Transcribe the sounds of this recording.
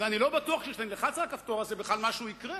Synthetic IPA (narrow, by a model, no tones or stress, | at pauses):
veanilo̞bat̪uaχʃejɛʃt̪enileχat͡salakaft̪o̞ʁazebeχlalmaʃuikʁe